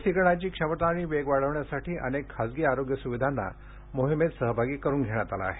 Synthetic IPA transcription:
siɡɳ̃at͡ɕiːkʂəmət̪aːɽiʋeɡʋaɽ̤əʋɳjasaʈiːʔə̰nekʰːasɡiːaɾoɡjəsuʋid̪ʱanːa̰ | moɦimet̪səɦəbʱaɡiːkəɾuːnɡʱeɽ̃jat̪ala̰ːɦe̥

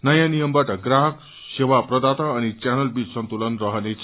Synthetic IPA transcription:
nʌjãnijʌmbaʈʌɡɾaɦʌk | sewapɾʌd̪at̪ʌːnit͡ɕanəlbit͡ssʌnt̪ulʌnɾʌɦʌnet͡sʰ

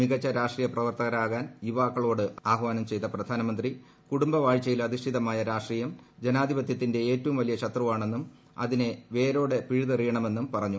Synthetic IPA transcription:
miɡɐt͡ɕːɐɾaːʂʈriːjɐprɐʋɐrt̪ɐɣɐɾaːɣaːniʋaːkːɐɭo̞ːɽɨaːɦʋaːnɐmt͡ɕe̞jt̪ːɐprɐd̪ʱaːnɐmɐnd̪ri | kuɽumbɐʋaːɻt͡ɕːɐjilɐd̪ʱiʂʈʰiðɐmaːjɐɾaːʂʈriːjɐmd͡ʑenaːd̪ʱibɐt̪jɐt̪ːinde̞eːtːɐʋumʋɐlijɐɕɐt̪rɐʋaːɳe̞nːum | ɐ̰ðine̞ʋe̞ːɾo̞ːɽe̞piɻuðɐrijɐɳɐme̞nːumpɐrɐɲːu

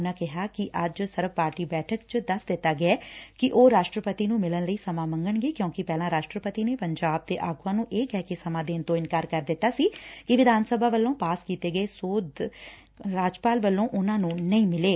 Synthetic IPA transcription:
nãːkɪɦaːkɪʔəd͡ʒsəɾʋpaːɾʈiːbɛːʈʰəkt͡ʃd̪əsd̪ɪt̪ːaːɡɪɛːkɪʔoːɾaːʃʈɾəpət̪iːnũːmɪlənləiːsəmãːmə̃ŋɡəɳɡeːkjõːkɪpɛːlãːɾaːʃʈɾəpət̪iːneːpəɲd͡ʒaːb̚t̪eːʔaːɡãːnũːʔeːkɛːkɪsəmãːd̪eːnt̪õːɪnkaːɾkəɾd̪ɪt̪ːaːsiːkɪʋɪd̪ʱaːnsəbʱaːʋəlːõːpaːskiːt̪eːɡəeːsoːd̪ | ɾaːd͡ʒpaːlʋəlːõːʔʊnãːnũːnəĩːmɪleː

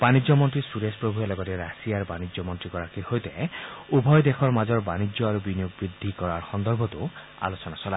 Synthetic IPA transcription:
b̥anid͡ʒjɔmɔntɾisuɾespɾobʱuelɔɡɔt̪ɛɾasiaɾbanid͡ʒjɔmɔntɾikɔɾakʰiɾhojt̪eubʱɔjd̪ekʰɔɾmad͡ʒɔɾbanid͡ʒjɔaɾubinijoɡbɾid̪ʱːikɔɾaɾxɔnd̪ɔɾbʱɔt̪u | a̰losɔnasɔla

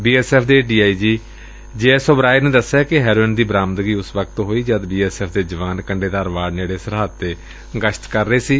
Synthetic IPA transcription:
biːɛːsɛːpʰd̪eːɖiːaːiːd͡ʒiː | d͡ʒeːɛːsoːbɾaːiːnẽːd̪əsːaːkɪɦɛːɾoːɪnd̪iːbɾãːmd̪əɡiːʊsʋək̚t̪ɦoːiːd͡ʒəd̪biːɛːsɛːpʰd̪eːd͡ʒəʋaːnkəɳɖeːd̪aːɾʋaːɾneːɽeːsəɾɦat̪ːeː | ɡəʃʰt̪kəɾːəeːsiː

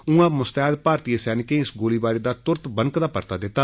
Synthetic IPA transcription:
ũːãːmʊst̪ɛːd̪paːɾt̪iːsɛːnɪkẽːɪsɡoːliːbaːɾeːd̪aːt̪ʊɾt̪bəŋkd̪aːpə̰ɾt̪a̰ːd̪ɪt̪ːaː

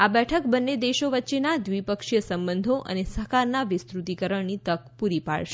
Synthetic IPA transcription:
abɛʈʰəkbənːed̪eʃoʋətːʃenad̪ʋipəkʃjəsəmbənd̪ʱoʔə̰nesəɦkaɾnaʋɪst̪ɾut̪ikəɾəɳnit̪ək̚puɾipa̰ɭʃ

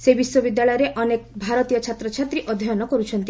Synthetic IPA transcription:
sebiswɔbid̪jaɭɔjɔɾeʔɔnekbʱaɾɔt̪ijɔt͡ʃʰat̪ɾɔt͡ʃʰat̪ɾiʔɔd̪ʱɔjɔnɔkɔɾut͡ʃʰɔnt̪i

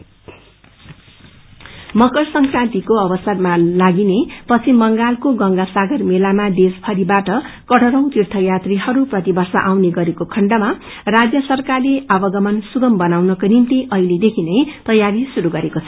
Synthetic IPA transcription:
mʌkʌrsʌŋkrãnt̪ikoʌbʌsʌrmalaɡinepʌt͡sʰimbʌŋɡalkoɡʌŋɡasaɡʌrmelamad̪espʰʌɾibaʈʌ | kʌʈʌɾʌw̃t̪irt̪ʰʌjat̪riɦʌɾuprʌt̪ibʱʌrsa̰ʔawneɡʌɾekokʰʌɳɖʌma | rad͡zjʌsʌrkarleʔabʌɡʌmʌnsuɡʌmbʌnawnʌkonimt̪iʔʌɦiled̪ekʰinʌjt̪ʌjaɾisuɾuɡʌɾekot͡sʰʌ

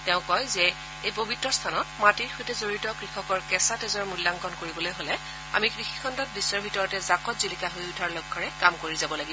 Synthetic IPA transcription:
tɛʊ̃kɔjzɛ | ejpobʱitɹɔstʰanɔt̚matiɹxojtɛzoɹitɔkɹixɔkɔɹkɛsatɛzɔɹmulːaŋkɔnkoɹibɔlojɦolɛ | a̰mikɹixi̥kʰɔndɔt̚bisːɔɹbʱitɔɹɔtɛzakɔtzilikaɦojutʰaɹlɔɡʰːɔɹɛkamkoɹizabɔlaɡibɔ

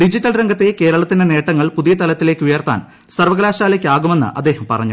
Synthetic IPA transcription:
ɖid͡ʑiʈːɐlɾɐŋɡɐt̪ːeke̞ːɾɐɭɐt̪ːinene̞ːʈːɐŋːɐɭpuðijɐt̪ɐlɐt̪ːile̞ːkːɨujɐrt̪a̰ːn | sɐrʋɐɡlaːɕaːlekːaːɣume̞nːɨ̰ʔɐd̪ːe̞ːhɐmpɐrɐɲːu

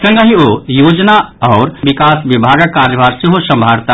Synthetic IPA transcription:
sə̃ŋɡəɦĩojod͡ʒnaɔːɾʋikasʋibʱaːɡəkːaːɾjəʋaɾseɦosəmbʱaːɾt̪a

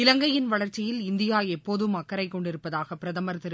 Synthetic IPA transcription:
ɪlɐŋɡɐjɪnʋɐɭɐɾt͡ʃːɪjɪlɪnd̪ɪjaːjɛpːoːðɯmɐkːɐɾɐɪkːɔɳɖɪɾɯpːɐðaːɣɐpːɪɾɐðɐmɐɾt̪ɪɾ

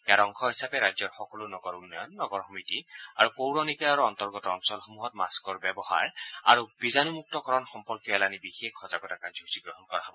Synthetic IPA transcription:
ɛjaɾɔŋkʰɔɦisapɛɹajzɔɹxɔkɔlunɔɡɔɹunːɔjɔnːɔɡɔɹxɔmitiaɹupowɹɔnikaaɹuɔntɔɹɡɔtɔɔnsɔlxomuɦɔtma̰skɔɹbɛbɔha̰ɹa̰ɹub̥izanumuk̚tɔkɔɹɔnxɔmpɔɹkjɔɛlanibixekʰːɔzaɡɔtakanzɔɦusiɡɹɔɦɔnkɔɹaɦɔbɔ

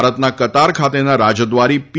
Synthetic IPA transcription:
ɾət̪nakət̪aɾkʰat̪enaɾad͡ʒəd̪ʋaɾip

